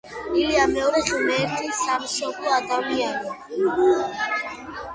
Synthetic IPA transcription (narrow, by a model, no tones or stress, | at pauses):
iliamɛɔɾɛʁimɛːɾt̪ʰʼisamsɔkʼɔad̪aviaɾɔ